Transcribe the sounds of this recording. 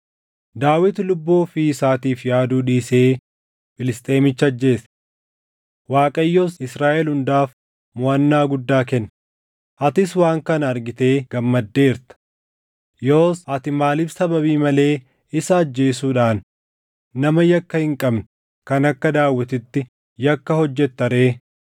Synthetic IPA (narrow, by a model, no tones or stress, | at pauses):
d̪aːwɪt̪lʊbːoːfisaːt̪iːfjaːd̪uːᶑiːse̞ː | fɪlɪst̪ʼe̞ːmɪt͡ʃːɐd͡ʒːe̞ːs | waːkʼɐjːoːsɪsɾaːʔɛlhʊnd̪aːf | mʊɐnːaːɡʊd̪ːaːkɛnː | ʔɐt̪ɪswaːŋkɐnɐɾɡɪt̪e̞ːɡ̥ɐmːɐd̪ːe̞ːɪɾt̪ɐ̥ | joːsɐt̪ɪmaːlɪbsɐbɐβiːmɐle̞ː | ɪsɐːd͡ʒːe̞ːsuːᶑaːnː | ɐmɐjɐkːɐhɪŋkʼɐbn | kɐnɐkːɐd̪aːwːɐt̪ɪt̪ːɪ | jɐkːɐhɔd͡ʒːɛt̪ːɐɾe̞ː